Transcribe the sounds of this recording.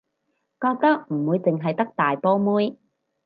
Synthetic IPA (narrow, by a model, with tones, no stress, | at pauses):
kɔː˧k̚t̪ɐ˥k̚m̩˨˩wuː˨˧jt͡sɪ˨ŋɦɐ˨jt̪ɐ˥k̚t̪aː˨jpɔː˥muː˥j